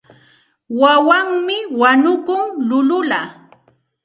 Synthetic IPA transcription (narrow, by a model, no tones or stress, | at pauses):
wawaŋmɪwaɲʊkʊŋlʊlʊla